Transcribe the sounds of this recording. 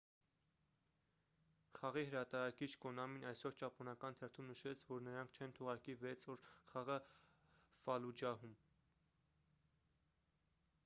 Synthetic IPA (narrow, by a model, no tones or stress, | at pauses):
χɑʁiɦəɾɑt̪ɑɾɑkit͡ʃʰkɔnɑminɑjsɔɾt͡ʃɑpʰɔnɑkɑnt̪ʰɛrt̪ʰumnəʃɛt͡sʰvɔɾnəɾɑŋkʰt͡ʃʰɛnt̪ʰɔʁɑɾkivɛt͡sʰɔɾχɑʁə | fɑlud͡ʒɑɦum